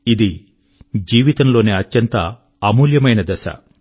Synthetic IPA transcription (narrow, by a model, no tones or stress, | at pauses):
id̪i | d͡ʒiːʋit̪ɐmlo̞ːneɐtːjɐnt̪ɐː | muːljɐmɐjnɐd̪ɛʃɐ̰